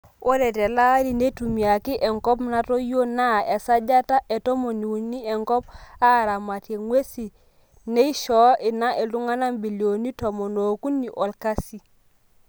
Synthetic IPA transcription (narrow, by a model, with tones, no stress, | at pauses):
o˦de˨te˨la˦di˨ne˦tu˨mi˨ja˨ki˦ʔe˨ŋko˦pna˦to˦jo˦na˦˨e˨sa˦d͡ʒa˦ta˦ʔe˨to˦mo˨ni˨wu˨nːi˦e˨ŋkɔ˦p̚a˦˨ɾa˨ma˨te˨ŋwe˦si˨ | ne˦i˦ʃɔ˦ʔi˨na˦ʔe˨lu˦ŋa˦na˦mbi˨li˨o˨ni˦to˨mo˨no˨ku˦nːi˨ʔo˨lka˦si˨